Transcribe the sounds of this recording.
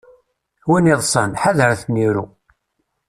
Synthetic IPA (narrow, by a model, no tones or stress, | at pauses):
winiðˤsˤənħaðəɾθniɾu